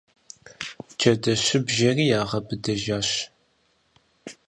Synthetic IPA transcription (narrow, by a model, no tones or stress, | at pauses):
t͡ʃʰɐdɐɕɪbʒɐriːjaːʁɐbɨdɐʒaːɕ